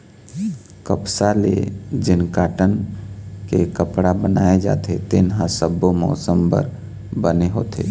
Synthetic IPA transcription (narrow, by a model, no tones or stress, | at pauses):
kəpsalḛd͡ʒɪnkaːʈən | kekəpɽabənaːed͡ʒa̰ːt̪ʰet̪ɪnɦãsəbomɔ̰ːsəmbə̰ɾ | bəneɦoːt̪ʰḛː